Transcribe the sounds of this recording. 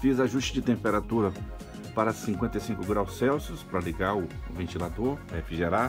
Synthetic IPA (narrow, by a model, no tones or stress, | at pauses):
fizaʒust͡ʃɪd͡ʒɪt̪ẽmpeɾat̪uɾɐ | paɾɐsĩŋkwẽt̪ɐjsĩŋkʊɡɾawsːɛwsjʊspɾɐliɡaɾʊvẽnt͡ʃilad̪oɾefiʒeɾa